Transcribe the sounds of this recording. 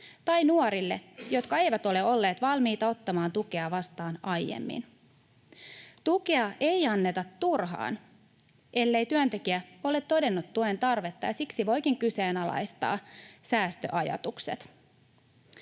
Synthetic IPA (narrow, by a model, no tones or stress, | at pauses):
t̪ɑjnuoɾilːe̞̰jo̞t̪kɑe̞jʋæt̪o̞leo̞lːe̞ːt̪ʋɑlmiːt̪ɑo̞t̪ːɑmɑːnt̪ukeɑʋɑst̪ɑːnɑjjḛmːḭn | t̪ukeɑʔe̞jɑnːe̞t̪ɑt̪ːurɦɑ̰ːn | ʔe̞lːe̞jt̪yønt̪e̞kiæo̞let̪ːo̞de̞nːut̪ːuent̪ɑrʋe̞t̪ːɑjɑsiksiʋo̞jkiŋkyse̞ːnɑlɑ̰jst̪ɑ̰ːsæːst̪ø̰ʔɑjɑ̰t̪uksḛt̪